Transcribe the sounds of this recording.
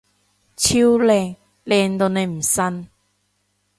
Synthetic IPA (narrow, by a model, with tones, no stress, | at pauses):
t͡sʰi˥wlɛː˧˩ŋ | lɛː˨˧˩ŋt̪o˨˧wne˨˧jm̩˨˩sɐ˥n